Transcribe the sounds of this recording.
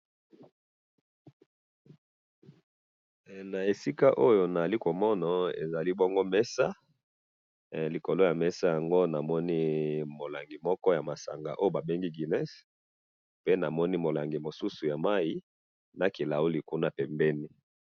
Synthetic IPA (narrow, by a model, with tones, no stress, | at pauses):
na˨e˨si˦ka˦ʔo˦jo˨na˨a˨li˦ko˨mɔ˦na˨ḛ˨za˨li˦bɔ˦ŋɡo˦mɛ˦sa˦ | li˨ko˨lo˦ja˨mɛ˦sa˦ja˨ŋɡo˦na˨mɔ˦ni˦mo˨la˨ŋɡi˨mɔ˦kɔ˦ja˨ma˨sa̰˨ŋɡa˨ʔo˦jo˦ba˨be˦ŋɡi˦ɡi˨nɛ˦s | pe˦na˨mɔ˦ni˦mo˨la˨ŋɡi˨mo˨su˦su˨ja˨ma˦i˦ | na˨ki˨la˨u˦li˨ku˦na˦pɛ˨mbɛ˦ni˦